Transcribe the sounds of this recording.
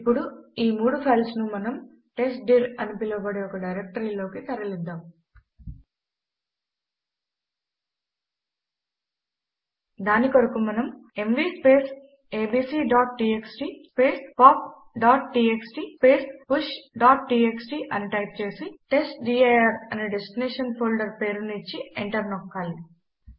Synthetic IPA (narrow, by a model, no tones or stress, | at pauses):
ipːuɽuiːmuːɽupʰɐjlsnumɐnɐm | ʈesʈ̚ɖiɾɐnipilɐːbɐɽiɔkɐɖɐjɾek̚ʈɐɾiːlo̞ːkit̪ɐɾɐlid̪ːaːm | d̪aːnikoɾɐkumɐnɐme̞mʋiːspe̞ːs | eːbiːsiːɖaːʈʈiːeksʈiːspeːspaːp | ɖaːʈ̚ʈiːeksʈipe̞ːspuʃɖaːʈ̚ʈiːeksʈiːʔɐniʈɐjp̚t͡ʃe̞ːsiʈe̞sʈɖiːejɐɾɐniɖesʈineːʂɐnpʰoːlɖɐɾpeːɾnit͡ʃːiḛɳʈɐɾnɔkːaːli